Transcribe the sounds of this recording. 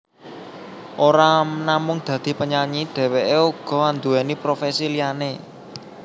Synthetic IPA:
ʔoɾanamʊŋd̪̥ä̤d̪̥i̤pəɲaɲiɖ̪̥ɛ̤weʔeuɡ̥ɔ̤wand̪uɛnipɾofesilijane

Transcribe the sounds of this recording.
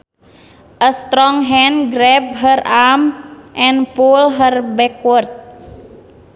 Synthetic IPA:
ʔəst̪ɾɔŋɦɛnɡɾɛb̚ɦəramʔɛnpulɦərbɛkurt̪̚

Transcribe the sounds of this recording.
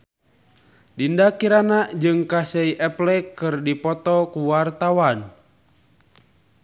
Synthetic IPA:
dindakiɾanad͡ʒɨŋkasɛiʔɛplɛkɨrdipɔt̪ɔkuwart̪awan

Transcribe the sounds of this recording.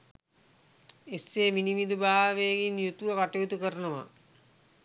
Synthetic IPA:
esːeːminimid̪ubaːʋeːɡinjut̪uʋɐkaʈɐjut̪ukəɾənəʋa̰

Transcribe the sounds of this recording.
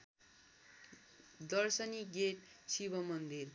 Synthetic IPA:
d̪ʌrsʌniɡeʈsibʌmʌnd̪ir

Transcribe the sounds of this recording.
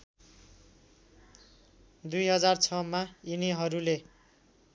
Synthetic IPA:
d̪ujɦʌd͡zart͡sʰʌmainiɦʌɾule

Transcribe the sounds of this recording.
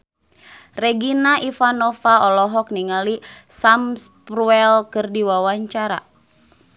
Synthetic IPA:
rɛɡinaʔifanɔfaɔlɔɦɔk̚niŋalisamspruɛlkɨrdiwawaɲt͡ʃaɾa̰

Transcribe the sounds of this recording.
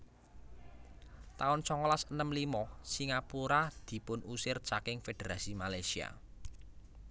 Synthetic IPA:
t̪aʊnsɔŋɔlasənəmlimɔsiŋapuɾad̪̥i̤pʊnusɪrt͡ʃakɪŋfed̪̥eɾasimalajsia̰

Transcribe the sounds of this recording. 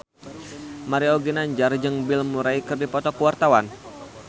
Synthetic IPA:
maɾiɔɡinaɲd͡ʒard͡ʒəŋbilmuɾaikɨrdipɔt̪ɔkuwart̪awan

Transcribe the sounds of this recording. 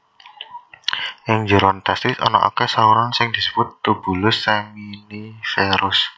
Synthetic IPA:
ʔɪŋd͡ʒə̤ɾɔnt̪ast̪ɪsɔ̰nɔ̰ʔa̰kɛsauɾaŋsɪŋd̪̥i̤sə̥b̥ʊt̪ːub̥ṳlʊsːaminifeɾʊs

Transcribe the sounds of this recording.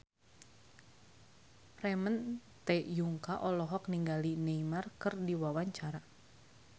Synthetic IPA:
rɛmənt̪ɛjuŋkaʔɔlɔɦɔkniŋɡalineimarkɨrdiwawaɲt͡ʃaɾa

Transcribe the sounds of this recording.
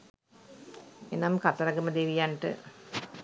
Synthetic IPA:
enamkat̪ɐɾɐɡəməd̪eʋijaɳʈɨ̰

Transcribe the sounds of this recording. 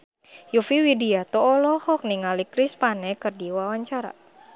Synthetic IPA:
jufiwidiat̪ɔːlɔhɔk̚niŋalikɾispanɛkɨrdiwawaɲt͡ʃaɾa̰

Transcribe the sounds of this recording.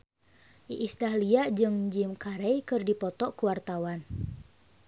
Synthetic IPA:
ʔiʔist̪ahliad͡ʒɨŋd͡ʒimkaɾɛjkɨrdipɔt̪ɔkuwart̪awan

